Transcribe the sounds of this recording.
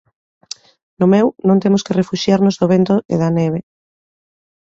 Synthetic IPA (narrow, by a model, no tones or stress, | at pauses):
nomewnõnt̪emʊskerefuʃjaɾnozðoβ̞ent̪oʔḛðaneβ̞e